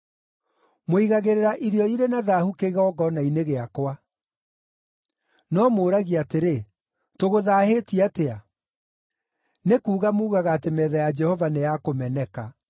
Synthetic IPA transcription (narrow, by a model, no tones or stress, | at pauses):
moiɣaɣeɾeɾaʔiɾjɔiɾenaðaːhukeɣɔɡɔnaineɣeakwa | nɔmoːɾaɣiateɾe | toɣoðaːhetiatea | nekuːɣamuːɣaɣaːtemɛːðɛjad͡ʒɛhɔvanejakomɛnɛka